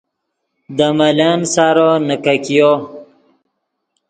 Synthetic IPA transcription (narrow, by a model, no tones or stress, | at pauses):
d̪əmalansaɾonəkakijo